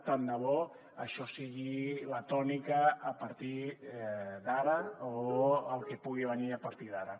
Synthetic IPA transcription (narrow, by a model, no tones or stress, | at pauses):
t̪and̪əβɔ | əʃɔsiɣilat̪ɔnikaːpaɾt̪i | ðaɾɐoəlˠkepuɣiβəniəpaɾt̪iðaɾa